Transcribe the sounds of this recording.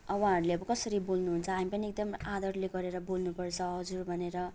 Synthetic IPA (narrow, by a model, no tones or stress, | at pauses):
ʌwaɦaɾuleʌbʌkʌsʌɾibolnuɦunt͡sʰʌamipʌniek̚d̪ʌmad̪ʌrleɡʌɾeɾʌbolnupʌrt͡sʰʌɦʌd͡zurbʱʌneɾʌ